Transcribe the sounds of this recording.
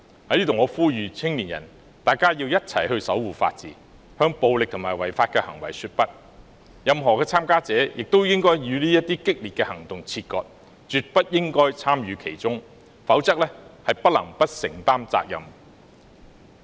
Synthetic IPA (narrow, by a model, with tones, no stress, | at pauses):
hɐ˨˥liː˥t̪ʰŋɔː˨˧fuː˥jyː˨t͡sʰɪ˥ŋliː˨˩njɐ̰˨˩n | t̪aː˨˩jkaː˥jiː˧wjɐ˥t̚t͡sʰɐ̰˨˩jɦɵ˧ɥsɐ˨˥wːuː˨˩fa̰ː˧t̚t͡siː˨˥ | hœː˥ŋpo˧wlɪ˨k̚t̪ʰʊ˨˩maː˨jwɐ˨˩jfaː˧t̚kɛː˧hɐ˨˩ŋwɐ˨˩jsyː˧t̚pɐ˥t̚ | jɐ˨˧mɦɔː˨˩kɛː˧t͡sʰaː˥mkaː˥t͡sɛː˨˥jɪ˨k̚t̪o˥wjɪ˥ŋkɔː˥jjyː˨˧liː˥jɐ˥t̪iː˥kɪ˥k̚liː˨t̚kɛ˧hɐ˨˩ŋt̪ʊ˨ŋt͡sʰiː˧t̚kɔ̰ː˧t̚ | t͡ʃyː˨t̚pɐ˥t̚jɪ˥ŋkɔː˥jt͡sʰaː˥mjyː˨˧kʰe˨˩jt͡sʊ˥ŋ | fɐ˨˥wt͡sɐ˥k̚lɛː˥hɐ˨jpɐ˥t̚lɐ˨˩ŋpɐ˥t̚sɪ˨˩ŋt̪aː˥mt͡sa̰ː˧k̚jɐ̰˨˩m